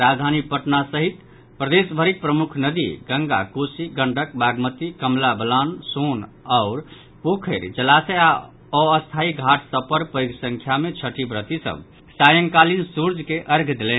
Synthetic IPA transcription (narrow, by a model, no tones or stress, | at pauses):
ɾad͡ʒd̪ʱanipəʈnasəɦit̪ | pɾəd̪esbʱəɾik̚pɾəmukʰnəd̪ḭɡəŋɡa̰kosiɡəɳɖʱəkbaɡmət̪ikəmlabəlanson | aʊɾ | pokʰəɾd͡ʒəlasea | ɔəst̪ʰaiɡʱaʈʰsəbpəɾpəjɡsə̃ŋkʰjamet͡ʃʰəʈibɾət̪isə̰b | sajəŋkalinsuɾd͡ʒʱkeʔəɾɡʱd̪elɛn